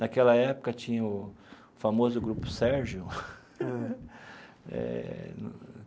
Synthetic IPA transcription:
nakɛlɐɛpʊ̥kɐt͡ʃĩɲɐʊ | famozʊɡɾupʊ̥sɛɾʒʊ | ɛ̰n

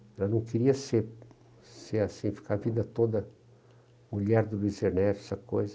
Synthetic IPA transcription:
ɛlɐnɐ̃w̃kiɾiɐseɾ | seɾasĩfi̥kavĩnd̪ɐt̪od̪ɐ | muʎɛɾd̪ʊlizeɾnɛt͡ʃɛsɐkojzɐ

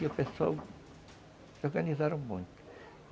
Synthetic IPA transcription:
opẽso̰w | oɾɣɐnizaɾɐ̃w̃mũj̃t̪u̥

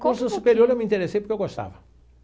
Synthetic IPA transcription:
kõsssupeɾioɾewmĩnt̪eɾesejpʊɾkewɡoʃt̪a̰vɐ

